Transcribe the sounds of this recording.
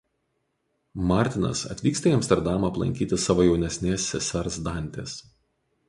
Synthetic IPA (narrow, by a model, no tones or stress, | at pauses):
mɑˑɾʲt̪ʲɪnɐ̰sɐ̰t̪ʲʋʲiːkst̪ɐiɐmʲst̪ʲɛɾd̪ɑmɑːplˠɐ̰ŋʲkʲiːt̪ʲɪsɑːʋoːjɛʊnʲɛsʲnʲeːsːʲɛsʲɛɾsd̪ɑˑnʲt̪ʲeːs